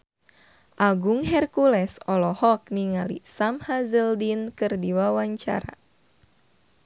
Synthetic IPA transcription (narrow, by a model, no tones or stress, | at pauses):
ʔaɡuŋɦɛrkulɛsɔlɔhɔk̚niŋalḭsamhazəldinkɨrdiwawaɲt͡ʃa̰ɾa̰